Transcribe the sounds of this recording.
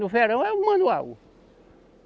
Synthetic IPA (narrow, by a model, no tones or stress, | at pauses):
nʊfeɾɐ̃w̃ɛũmɐ̃nua̰w